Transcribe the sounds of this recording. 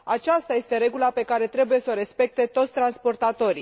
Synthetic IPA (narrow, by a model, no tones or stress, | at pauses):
at͡ʃast̪aje̞st̪e̞ɾe̞ɡulape̞kaɾe̞t̪ɾe̞buje̞soɾe̞spe̞k̚t̪e̞t̪o̞t̪sʲt̪ɾanspo̞rt̪at̪o̞ɾi